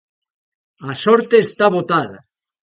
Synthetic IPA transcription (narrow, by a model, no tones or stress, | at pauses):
asoɾt̪eːst̪aβot̪aða̰